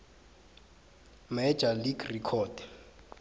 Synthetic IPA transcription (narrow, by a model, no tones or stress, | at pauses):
mɛd͡ʒʱaliɡrikʰɔd̥ɛ